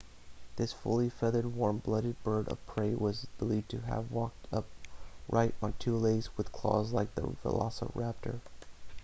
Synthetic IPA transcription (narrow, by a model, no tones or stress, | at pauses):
ðɪsfʊ̰lˠifɛðə˞d̚wɔɹmblʌɾɨd̚bɜ˞ɾʌ̰v̥pʰɹ̥eɪwʌzb̥əlivtʰɨə̰vwɔk̚tʰʌp̚ɹʔaɪɾn̩tʰʉleɪzwɨð̥kʰl̥ɔ̰zlaɪk̚ðə̰fə̰lɑ̰sə̰ʊɹæp̚tʰə̰˞